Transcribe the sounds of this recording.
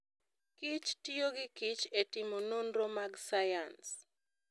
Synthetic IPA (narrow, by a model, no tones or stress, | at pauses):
kit͡ʃtijoɡɪkit͡ʃetɪmonunromaɡsajans